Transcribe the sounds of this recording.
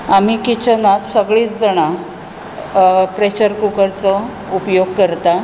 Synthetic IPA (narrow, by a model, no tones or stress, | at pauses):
am̤iːkit͡ɕənat̪səɡɭiːt͡sd͡zəɽ̃a | pɾeɕəɾkɾukəɾt͡sə | upjoɡ̚kəɾt̪a